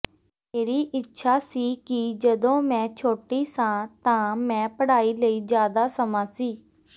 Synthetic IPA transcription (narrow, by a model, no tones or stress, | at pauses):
meːɾiːʔɪtːʃʰaːsiːkɪd͡ʒəd̪õːmɛ̃ːt͡ʃʰoːʈiːsãːt̪ãːmɛ̃ːpəɽaːiːləiːd͡ʒjaːd̪aːsəmãːsiː